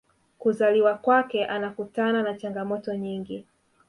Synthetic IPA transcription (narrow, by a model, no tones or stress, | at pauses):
kuzaliwakwakɛʔanakutananat͡ʃaŋɡamɔtɔɲiŋɡi